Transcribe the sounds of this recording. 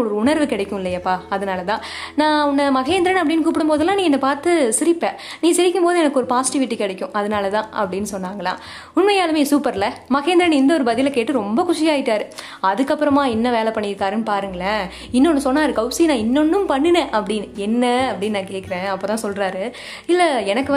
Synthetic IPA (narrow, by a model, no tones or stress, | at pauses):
ɔɾɯʊɳɐɾʋɯkɪɽɐkːʊ̃ɪlːɐjɐpːaːɐðɐnaːlɐt̪ãː | nãːʊnːɐmɐɣeːnd̪ɪɾɐnɐpːɐɽɪnːɯkuːp̬ːɪɽɯmpoːðɯlːãːniːɛnːɐpaːɾt̪ɯsɪɾɪpːẽːnĩːsɪɾɪkːɯmpoːðɯɛnɐkːɔɾɯpaːsɪ̥ʈɪʋɪʈːikɪɽɐkʲːʊ̃ʔɐðɐnaːlɐt̪ãːʔɐpːɐɽɪnːɯsɔnːaːŋɡɐlã̰ː | ʊɳmɐjaːlɯmeːsuːpɐɾlɐmɐɣeːnd̪ɾɐnɪnd̪ɐɔɾɯbɐðɪlɐkeːʈːɯɾɔmbɐkʊʂɪjaːjɪʈːaːɾɯ | ɐðɯkːɐpːɯɾɐmãːɛnːɐʋeːlɛpːɐɳːɪɪɾɯkːaːɾɯnːɯpaːɾɯŋɡɐɭɐ | ɪnːɔnːɯsɔnːaːɾɯkɐʊsinãːɪnːɔnːɯmpɐɳːɯnɛ̃ʔɐpːɐɽɪnɛnːɐɐpːɐɽɪnːnãːkeːʈkɪɾẽːɐpːoːt̪ãːsɔlɾaːɾɯ | ɪlːɐɛnɐkːɯ